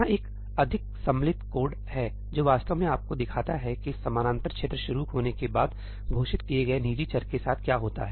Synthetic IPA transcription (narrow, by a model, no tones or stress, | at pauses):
aʔeːk | ɐd̪ʱɪk̚sɐ̃mlɪt̪koːɖ | hɛ | d͡ʒoːʋaːst̪əʋmẽaːp̚kod̪ɪkʰaːt̪aɦɛkisɐmaːnãːnt̪əɾkʃeːt̪ɾəʃʊɾuɦoːnekebaːd̪ | ɡʱoːʃɪt̪kieɡɐeniːd͡ʒit͡ʃɐɾkesaːt̪̚ʰkjaːɦoːt̪a̰ɦɛː